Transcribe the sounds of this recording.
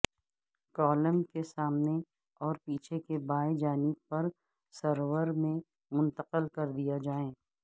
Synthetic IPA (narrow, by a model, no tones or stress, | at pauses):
kɔːləmkesaːmne | ɔːɾpiːt͡ʃʰekebaːed͡ʒaːnɪb̚pɐɾ | səɾwəɾmẽ | mʊ̃nt̪əqəlkɐɾd̪ijad͡ʒaːẽː